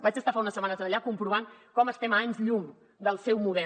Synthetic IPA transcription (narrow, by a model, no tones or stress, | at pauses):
bad͡ʒəst̪afaunəsːəmanəzənʎakumpɾuβ̞aŋkɔməst̪ɛmaɲzʎuŋ | d̪əlˠsɛwmuðɛ